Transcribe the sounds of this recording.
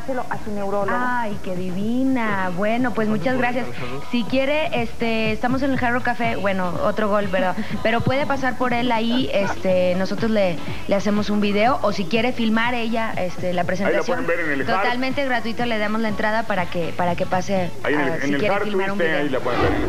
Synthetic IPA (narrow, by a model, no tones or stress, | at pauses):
seloʔasenewɾoloa | jike̞ðiβina | βwe̞no̞pwe̞szmut͡ʃazɣɾasjas | sikje̞ɾe̞ʔest̪e̞ːst̪amo̞s̬e̞ne̞lxarokafe̞βwe̞no̞o̰t̪ɾo̞ɣo̞lpeɾðo | pe̞ɾo̞pwe̞ð̞e̞pasaɾpo̞ɾe̞laie̞st̪eno̞so̞t̪ɾo̞zle̞ | le̞ase̞mo̞sumbiðe̞o̞ʔosikje̞ɾe̞filmaɾe̞ʝaʔe̞st̪e̞lapɾe̞s̬e̞niasjobeɾenet̪ot̪almẽnt̪eɣɾat̪wit̪ole̞ðamo̞zlae̞nt̪ɾaðapaɾake̞paɾake̞pase | ai | siejeefilmaɾumiilapweðebeɾ